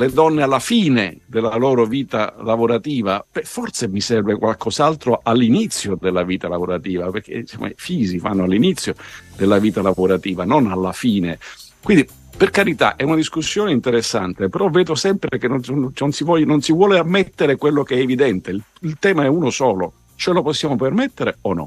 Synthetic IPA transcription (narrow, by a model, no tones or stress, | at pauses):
led̪ɔnːealːafiːned̪elːaloːɾoviːt̪a̰lavoɾat̪iːvapɛfɔrt̪semisɛrvekwalkɔzalt̪ɾoʔalːinit̪sːjod̪elːaviːt̪alavoɾat̪iːvaperk̟ʰḛso̰mʔa̰fiːzifa̰nːoalːinit̪sːjod̪elːaviːt̪alavoɾat̪iːvanonalːafiːnekwind̪i | perkaɾit̪a̰ʔɛunad̪iskusːjoːneint̪eɾesːa̰nt̪epeɾɔvːɛːd̪osɛmpɾekenononsivɔjnonsivwɔːleamːet̪ːeɾekwelːokeɛːvid̪ɛnt̪e | ilt̪ɛːmaɛuːnosɔːlo | t͡ʃɛloposːjaːmopermet̪ːeɾeonɔ̰